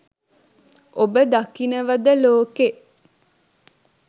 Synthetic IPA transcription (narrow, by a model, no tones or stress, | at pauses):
obəd̪akinəʋɐd̪əloːke